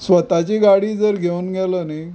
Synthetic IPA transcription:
sʋət̪at͡ɕeɡaɽiːd͡zəɾɡʱeunɡʱɛləne

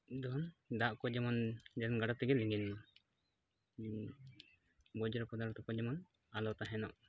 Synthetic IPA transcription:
d̪ɔnd̪aʔkɔd͡ʒɛmɔnd͡ʒɛɾɛnɡaɽat̪ɛɡɛliŋɡin | bɔd͡ʒɔɾɔpɔd̪aɾt̪ɔkɔd͡ʒɛmɔn | alɔt̪aɦɛnɔʔ

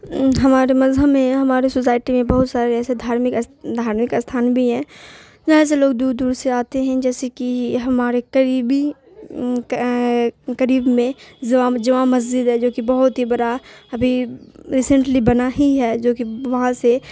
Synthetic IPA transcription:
ɦɐmaːɾemɐzəmẽɦɐmaːɾesosaːɪʈimẽbɐɦʊt̪saːɾeɛːsed̪ʱaːɾmɪkd̪ʱaːɾmɪkst̪ʰaːnbʱiɦɛ̃ː | d͡ʒɐɦãs̬eloːɡd̪uːɾd̪uːɾseaːt̪eɦɛ̃d͡ʒɛːsekiɦɐmaːɾekəɾiːbi | kəɾiːbmẽzʋad͡ʒɐʋãmɐz̬d͡ʒɪd̪ɦɛd͡ʒoːkibɐɦʊt̪ɦibɐɾaɐbʱiɾiːsə̃ɳʈlibɐnaɦiɦɛːd͡ʒoːkiʋɐɦãse

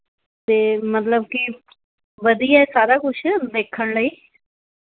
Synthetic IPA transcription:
t̪eːmət̪ləb̚ki | ʋəd̪iːasaːɾaːkʊt͡ʃʰd̪eːkʰəɽ̃ləiː

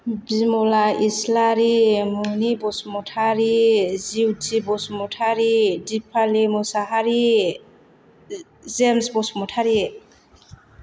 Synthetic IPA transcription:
bimɔlaislaɾimunibɔsmɔtʰaɾiziwtibɔsmɔtʰaɾidipʰalimusaɦaɾi | zemsbɔsmɔtʰaɾi

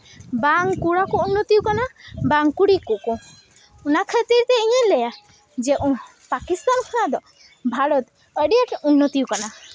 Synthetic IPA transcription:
baŋkuɽakɔunːɔt̪iukanabaŋkuɽikɔʔkɔ | ɔnakʰət̪iɾt̪ɛiɲɛ̃lɛja | d͡ʒɛʔɔ̃ | pakist̪ankʰɔnad̪ɔ | bʱaɾɔt̪ | əɖijaʈɛunːɔt̪iukana

